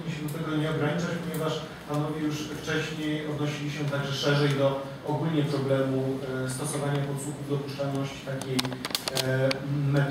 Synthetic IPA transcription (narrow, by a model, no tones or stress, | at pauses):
iɕɛd̪ɔt̪ɛɡɔɲɛɔɡɾaɲit͡ʂat͡ɕpɔɲɛvaʂ | panɔvʲjejuʂft͡ʂɛɕɲejɔd̪nɔɕilʲiɕɛt̪aɡʐɛʂɛʐɛjd̪ɔː | ɡulʲɲɛpɾɔblɛmust̪ɔsɔvaɲapɔt̪swuxuvd̪ɔpuʂt͡ʂanɔɕt͡ɕt̪akʲej | mɛt̪